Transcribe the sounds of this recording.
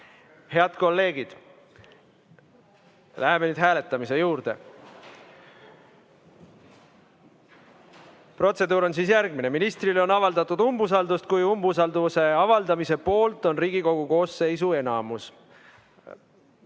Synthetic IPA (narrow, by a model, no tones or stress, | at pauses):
he̞ɑd̪̥ko̞lːe̞ːɡid̪̥ | læɦemenyːd̪̥ɦæːle̞t̪ːˑɑmise̞juːɾd̪e̞̰ | pro̞t̪se̞d̪uːɾo̞nsiːsjæɾɡ̥̚mine̞minist̪rilo̞nɑvɑld̪ɑt̪ːˑud̪umbus̬ɑld̪ust̪̚kujumbus̬ɑld̪se̞ɑvɑld̪ɑmise̞po̞ːlt̪ˑo̞nriːɡ̥iko̞ɡ̥uko̞ːsːe̞js̬ue̞nɑmus